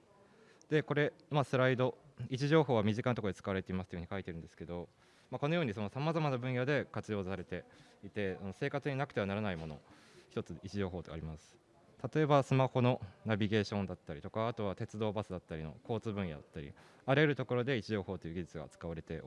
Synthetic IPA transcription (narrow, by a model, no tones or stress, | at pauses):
d̪̥e̞ko̞ɾe̞masɨɾaid̪o̞it͡ɕiʑo̞ːɦo̞ːβamʲiʑikant̪ood̪et͡sɨ̥kaβaɾe̞t̪eimasɨ̥oɯɯ̟ɲikait̪eɾɯ̟̃nd̪esɨ̥ke̞d̪o̞ | mako̞no̞jo̞ːɲ̟iso̞no̞samazamanabɯ̟̃ɰ̃jad̪e̞kat͡sɨjo̞ːzsaɾe̞t̪e̞it̪e̞ano̞se̞ːkat͡sɨɲ̟inakɯ̟̥e̞anaɾanaimo̞no̞̰ | çi̥t̪o̞t͡sɨit͡ɕiʑo̞ːɦo̞ːt̪okaːɾʲimasɨ̥ | t̪at̪o̞e̞basɨmaho̞no̞nabʲiɡe̞ːɕõ̞nd̪at̪ːaɾʲit̪o̞kaːt̪o̞β̞at̪e̞t͡sɨd̪o̞ːbasɨd̪at̪ːaɾʲino̰ko̞ːt͡sɨbɯ̟̃ɰ̃ja̰d̪at̪ːaɾʲḭ | aɾɯeɾɯ̟t̪o̞ko̞ɾo̞d̪e̞it͡ɕiʑo̞ːho̞ːt̪ːo̞jɯ̟ɡʲid͡ʑit͡sɨɡa̰t͡sɨ̥kaβaɾe̞t̪e̞̰